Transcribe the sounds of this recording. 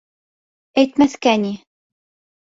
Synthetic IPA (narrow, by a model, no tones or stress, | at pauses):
æjt̪mæθkæni